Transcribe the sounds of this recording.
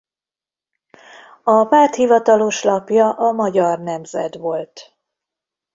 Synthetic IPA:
ɒpaːt̪hivɒt̪ɒlo̞ʃlɒpjɒʔɒmɒɟɒrnɛmzɛ̰d̪ʋo̞lt̪

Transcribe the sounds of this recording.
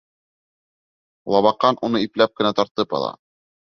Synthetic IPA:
lˠɑβɑqːɑnʔunɤiplæp̚kɘ̆næt̪ɑɾt̪ɤpɑ̰lˠɑ̰

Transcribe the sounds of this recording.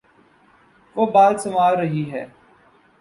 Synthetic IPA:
ʋoːbaːd̪sɐmaːlɾɐɦiɦɛ̰ː

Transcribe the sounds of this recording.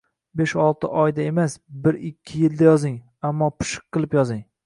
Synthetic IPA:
beʃɒlˠt̪ʰɪʔɒjd̪ae̞masbɪɾɪkʲʰːɪjɪld̪ajɒzɪŋ | amːɒpʰɪ̥ʃɨ̥q̚qːɨlˠɪpjɒzɪŋ

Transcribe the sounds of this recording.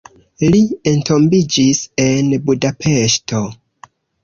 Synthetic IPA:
lientʰo̞mbid͡ʒise̞nbudapʰe̞ʃto̞

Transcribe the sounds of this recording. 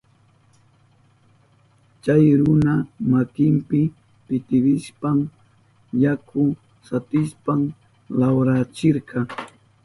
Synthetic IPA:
t͡ʃajɾʊnamakɪmpɪ | pɪt̪ɪɾɪʃpam | jakʰʊ | sat̪ɪʃpam | lawɾat͡ʃɪɾkɑ

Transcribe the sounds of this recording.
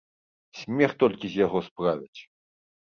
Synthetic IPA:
sʲmʲɛxt̪ɔlʲkʲizʲjaɣɔspɾavʲit͡sʲ

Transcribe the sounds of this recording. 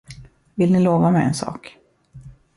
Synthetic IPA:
vɪlnɪloːvamɛɛ̰nsɑ̰ːk

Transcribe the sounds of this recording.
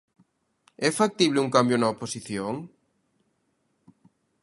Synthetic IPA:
ɛfak̚t̪iβ̞leuŋkambjonaoposiθjoŋ

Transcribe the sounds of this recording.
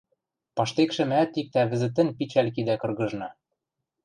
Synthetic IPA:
pɑʃt̪ekʃɘ̆mæt̪ik̚t̪æβɘ̆zɘ̆t̪̬ɘ̆npit͡ɕælkid̪ækɤ̆rɣɤ̆ʒnɑ

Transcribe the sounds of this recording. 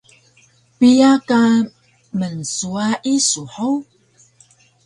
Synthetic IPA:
pijaka | mənsuaʔisuħow

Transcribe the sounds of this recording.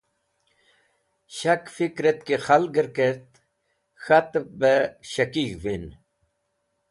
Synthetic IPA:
ɕɐkfikɾet̪̚kexɐlɡəɾkeɾt̪ | xɐt̪bəɕɐkikʋin

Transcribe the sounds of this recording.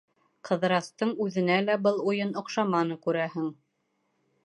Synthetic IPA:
qʰɤ̆ðɾɑst̪ɤɴʉðɘ̆nælæbɤlˠujɤnŏqʃɑmɑnɤkʉɾæhɘŋ

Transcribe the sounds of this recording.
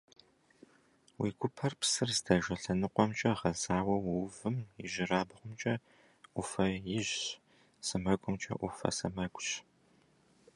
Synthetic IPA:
wḭːɡʷʊpʰɐrpsɨrzdʰɐʒɐɬɐnɨqʷʼɔmt͡ʃʼɐʁɐzaːwɐwwvɨmjɪʒɪraːbɨʁʷʊmt͡ʃʼɐ | ʔʷʊfɐjɪʒ | sɨmɐɡʷʼʊmt͡ʃʼɐ̰ʔʷʊfɐ̰sɐmɐɡʷʼɕ

